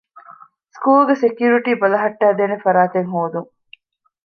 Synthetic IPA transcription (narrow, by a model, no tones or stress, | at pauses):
skuːlɡesekjuːɾiʈiːbɐlɐɦɐʈːæːd̪eːnefɐɾaːt̪eŋɦoːd̪uŋ